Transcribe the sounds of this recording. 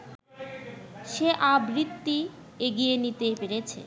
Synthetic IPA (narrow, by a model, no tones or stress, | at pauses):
ʃeʔabɾit̪ːi | eɡijenit̪epeɾet͡ɕʰḛ